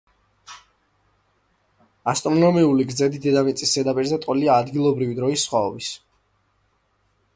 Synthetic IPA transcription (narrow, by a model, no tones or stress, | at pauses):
ast̪ʼɾɔnɔmiuliɡɾzɛd̪id̪ɛd̪amit̪sʼisːɛd̪apʼiɾzɛt̪ʼɔliaːd̪ɡilˠɔbɾivid̪ɾɔisːχwaɔbis